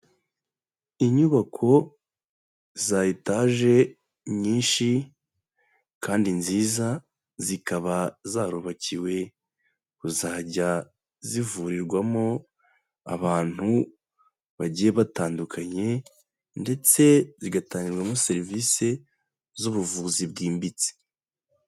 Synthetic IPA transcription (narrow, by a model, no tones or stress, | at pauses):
iɲuβakʰo̞ | zajitaʒe̞ | ɲɲiːnʃi | kaːndinziːza | zikaβazaɾuβaciwe̞ | kuzaːɟa | zivuɾiɾɡwamo | a̰βaːn̥hu | βaɟijeβataːndukʰaɲe̞ | nde̞t͡se̞ziɡataːɲiɾɡwamose̞ɾviːse̞ | zuβuvuːzibɡiːmbit͡se̥